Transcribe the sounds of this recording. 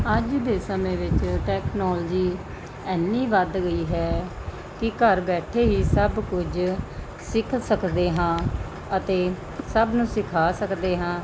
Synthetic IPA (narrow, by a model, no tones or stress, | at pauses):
əd͡ʒd̪eːsəmẽːʋɪt͡ʃʈɛːknɔːld͡ʒiː | ɛːnːĩːʋəd̪ɡəiːɦɛː | kɪkəɾbɛːʈʰeːɦiːsəbkʊd͡ʒ | sɪkʰsəkd̪eːɦãː | ət̪eː | səbnũːsɪkʰaːsəkd̪eːɦãː